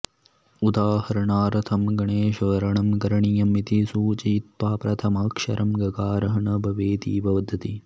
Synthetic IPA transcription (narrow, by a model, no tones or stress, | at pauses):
ud̪aːhɐɾɐɳaːɾɐt̪ʰɐmɡɐɳeːʃɐɾɐɳɐmkɐɾɐɳijɐmit̪isuːt͡ʃiːt̪ʋaːpɾɐt̪ʰɐmɐːkʂɐ̰ɾɐmɡɐkaːɾɐɦɐɳɐbʱɐʋeːt̪ḭːbʱɐʋɐd̪ʱɐt̪i